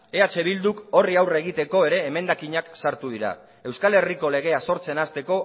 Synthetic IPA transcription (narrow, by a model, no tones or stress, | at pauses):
e̞at͡ʃe̞β̞ild̪uko̞riawre̞ɣ̞it̪e̞ko̞e̞ɾe̞ːme̞nd̪akiɲaksaɾt̪uðiɾa̰ | e̞wskale̞riko̞le̞ɣ̞e̞aso̞ɾt͡se̞nast̪e̞ko̞